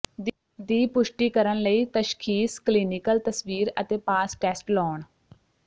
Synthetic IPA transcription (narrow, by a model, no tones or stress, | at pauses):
d̪iːpʊʃʈiːkəɾənləiːt̪əʃkʰiːskliːnɪkəlt̪əsʋiːɾə̰t̪eːpaːsʈɛːsʈlɔːɳ